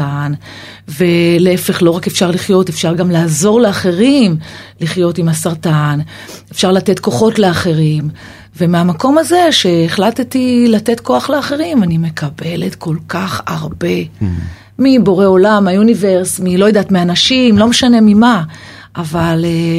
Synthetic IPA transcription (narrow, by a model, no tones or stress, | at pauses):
an | ve̞leefe̞χlo̞ʁakefʃaʁliχjo̞tefʃaʁɡamlaːzo̞ʁleaχe̞ʁimliχjo̞timasaʁtan | efʃaʁlate̞tko̞χo̞tle̞aχe̞ʁim | ve̞meamako̞maze̞ʃe̞ːχlat̪tilate̞tko̞aχleaχe̞ʁimanime̞kʰabe̞le̞tkʰo̞lkaχaʁbe̞ | mibo̞ʁe̞o̞lamajunive̞ʁsmilo̞jadaːtmeanaʃimlo̞meʃane̞mima | ʔavale